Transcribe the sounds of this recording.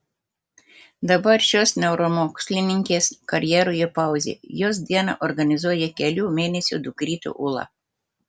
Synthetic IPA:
d̪ɐbɐɾʃʲoːsnʲɛʊɾomoːksʲlʲɪnʲɪŋʲkʲeːskɐɾʲjɛɾoːjɛpɑˑʊzʲḛːjoːsd̪ʲiɛnɑ̰ːʔɔɾɡɐnʲɪzuɔjɛkʲɛlʲuːmʲeːnʲɛsʲṵːd̪ʊkɾʲiːt̪ʲṵʔʊlˠɑ̰

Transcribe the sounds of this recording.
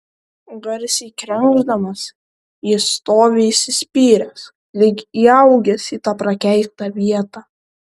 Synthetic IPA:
ɡɐɾʲsʲiːkɾʲɛŋɡʒd̪ɐmɐs | ist̪oːʋʲeisʲɪsʲpʲiːɾʲɛs | lʲɪkiːɐʊɡʲɛsiːt̪ɑːpɾɐkʲɛɪkt̪ɑʋʲiɛt̪ɑː

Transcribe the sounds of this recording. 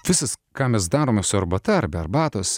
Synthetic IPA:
ʋʲɪsɐskɑːmʲɛs̬d̪ɑːɾoːmʲɛsʊɐɾbɐt̪ɐɐɾʲbʲɛɐɾbɑːt̪oːsʲ

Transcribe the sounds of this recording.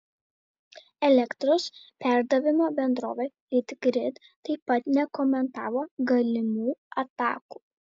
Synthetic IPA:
ɛlʲɛkt̪ɾʊspʲæˑɾd̪ɐʋʲɪmoːbʲɛnd̪ɾo̰ːʋʲɛ | ɪt̪ʲɡɾʲɪt̪ | t̪ːɐɪpɐt̪nʲɛkɔmʲɛnt̪ɑːʋoːɡɐlʲɪmuːɐt̪ɑ̰ːkuː

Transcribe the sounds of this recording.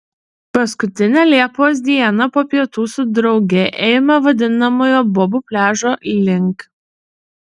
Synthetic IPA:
pɐskʊt̪ʲɪnʲæːlʲiɛpoːs̬d̪ʲiɛnɐpoːpʲiɛt̪uːsʊd̪ɾɒʊɡʲɛʔeːmɐʋɐd̪ʲɪnɐmoːjoːbɔbʊpʲlʲæːʒoːʔiːlʲɪŋˑk

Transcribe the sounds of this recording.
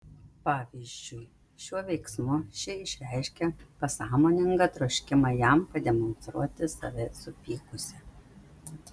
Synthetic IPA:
pɑːʋʲizʲd͡ʒʲʊɪ | ʃʲuɔʋʲɛɪksmʊʃʲɪɪʃʲɾʲæɪʃʲkʲɛpɐsɑːmoːnʲɪŋɡɐt̪ɾɔʃʲkʲɪmɐjɛˑmpɐd̪ʲɛmɔnst̪ɾṵɔt̪ʲɪsɐ̰ʋʲɪsʊpʲiːkʊsʲɛ

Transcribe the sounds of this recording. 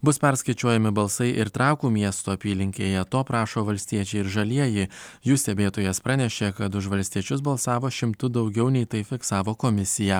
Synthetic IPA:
bʊspʲɛɾskɐɪt͡ʃʲuɔjɛmʲɪbɐlˠsɐɪʔɪɾt̪ɾɑˑʊkuːmʲiɛst̪oːɐpʲiːlʲɪŋʲkʲeːjɛt̪oːpɾɑːʃoːʋɐlʲsʲt̪ʲiɛt͡ʃʲɛɪɪɾʒɐlʲiɛjɪɪjuːst̪ʲɛbʲeːt̪oːjɛspɾɑnʲɛʃʲeːkɐt̪ʊʃʋɐlʲsʲt̪ʲiɛt͡ʃʲʊs̬bɐlˠsɑːʋoːʃʲɪmt̪ʊd̪ɒʊɡʲɛʊnʲɛɪt̪ɐɪfʲɪksɑːʋoːkomʲɪsʲɪjæː

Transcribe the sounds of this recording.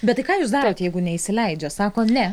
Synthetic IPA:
bʲɛt̪ːɐɪkɑːjuːsd̪ɑːɾoːt̪jɛɪɡʊnʲɛisʲɪlʲɛɪd͡ʒʲoːsɑːkoːnʲɛ

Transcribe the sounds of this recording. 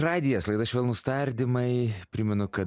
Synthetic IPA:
rɑːd̪ʲɪjɛːslˠɐɪd̪ɐɐʃʋʲɛːlˠnʊst̪ɐɾʲd̪ʲɪmɐɪpʲɾʲɪmʲɛnʊkɐ

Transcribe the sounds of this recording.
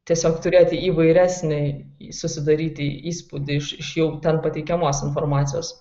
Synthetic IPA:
t̪ʲiɛsʲoːkt̪ʊɾʲeːt̪ʲɪiːʋɐɪɾʲæːsʲnʲɛsʊsʲɪd̪ɐɾʲiːt̪ʲɪiːspud̪ʲɪɪʃɪʃjɛʊt̪ʲɛnpɐt̪ʲɛɪkʲɛmoːsɪnfoːrmɑːt̪sʲɪjoːs

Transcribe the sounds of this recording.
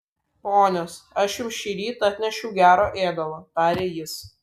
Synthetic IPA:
poːnʲoːsɐʃjʊmʃʲiːɾʲiːt̪ɐt̪ʲnʲɛʃʲʊʊɡʲæːɾoːʔeːd̪ɐlˠoːt̪ɑːɾʲeːjɪs

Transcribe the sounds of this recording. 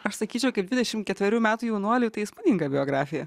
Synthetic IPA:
ɐʃsɐkʲiːt͡ʃʲɛʊkɐɪp̚bd̪ʋʲɪd̪ʲɛʃʲɪmkʲɛt̪ʋʲɛɾʲuːmʲæːt̪uːjɛʊnuɔlʲut̪ɐɪɪsmɐnʲiŋɡɐbʲɪoːɡɾɑːfʲɪjɛ

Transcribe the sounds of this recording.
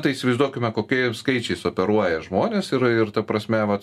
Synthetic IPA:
t̪ɐɪisʲɪʋɐɪzd̪uɔkʲʊmʲɛkoːkʲiskɐɪt͡ʃʲɛɪsoːpʲɛɾuɔjɛʒmoːnʲeːsɪɾɪɾt̪ɐpɾɐsʲmʲɛʋɐt̪

